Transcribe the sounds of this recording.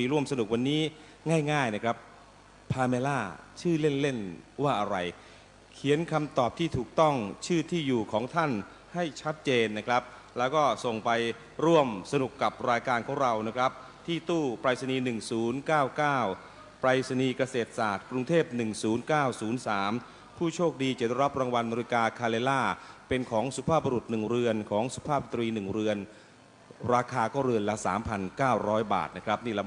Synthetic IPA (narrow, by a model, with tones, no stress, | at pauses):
i˧˩ɾu˥˩əmsa˧nu˨˩k̚wa˧nːiː˦˥ | ŋaː˥˩jŋaː˥˩jna˦˥˩kʰɾa˦˥p̚ | pʰaː˧meː˧laː˥˩t͡ɕʰɯː˥˩le˥˩nle˥˩nwaː˥˩ʔa˧ɾa˧j | kʰi˨˩˦ənkʰa˧mt̪ɔː˨˩p̚t̪ʰiː˥˩t̪ʰuː˨˩k̚t̪ɔ˥˩ŋt͡ɕʰɯː˥˩t̪ʰiː˥˩juː˨˩kʰɔː˩˦ŋt̪ʰa˥˩n | ha˥˩jt͡ɕʰa˦˥t̪̚t͡ɕeː˧nːa˦˥kʰɾa˦˥p̚ | lɛː˦˥wkɔː˥˩so˨˩ŋpa˧j | ɾu˥˩əmsa˧nu˨˩kːa˨˩p̚ɾaː˧jkaː˧nkʰɔː˩˦ŋɾa˧wna˦˥kʰɾa˦˥p̚ | t̪ʰiː˥˩t̪uː˥˩pɾaː˧jsa˧niː˧nɯ˨˩ŋsuː˩˦nkaː˥˩wkaː˥˩w | pɾaː˧jsa˧niː˧ka˧seː˨˩t̪̚saː˨˩t̪̚kɾu˧ŋt̪ʰeː˥˩p̚nɯ˨˩ŋsuː˩˦nkaː˥˩wsuː˩˦nsaː˩˦m | pʰuː˥˩t͡ɕʰoː˥˩k̚diː˧t͡ɕe˨˩t̪̚ɾa˦˥p̚ɾaː˧ŋwa˧nma˧ɾi˧kaː˧kʰaː˧leː˧laː˥˩pe˧nkʰɔː˩˦ŋsu˨˧˦pʰaː˥˩p̚ba˧ɾu˨˩t̪̚nɯ˨˩ŋɾɯ˧ənkʰɔː˩˦ŋsu˨˧˩pʰaː˥˩p̚sa˨˩t̪ɾiː˧nɯ˨˩ŋɾɯ˧ən | ɾaː˧kʰaː˧kɔː˥˩ɾɯ˧ənla˦˥sa̰ː˩˦mpʰa˧nkaː˥˩wɾɔː˦˥jba̰ː˨˩t̪̚na˦˥kʰɾp̚niː˥˩lɛ˦˥˩